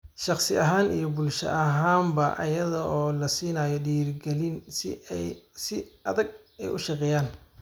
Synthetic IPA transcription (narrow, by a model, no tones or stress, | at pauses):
ʃɑχsɪʔɐɦaːnḭjɔbʊlʃɐ̰ʔɐɦaːmbɐʔɐ̰jɐðɐʔɔːlɐsiːnaːjɔɗiːrɡɛlin | sɪɐðɐɡ̚ | ɛjʊʃɑqɛːjaːn